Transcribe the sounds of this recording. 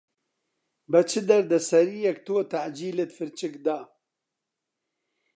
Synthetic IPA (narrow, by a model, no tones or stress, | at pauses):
bɐt͡ʃʰɨd̪ɐɾd̪ɐsɐɾijɛkt̪oːt̪aʕd͡ʒiːlet̪fɨɾt͡ʃɨkd̪a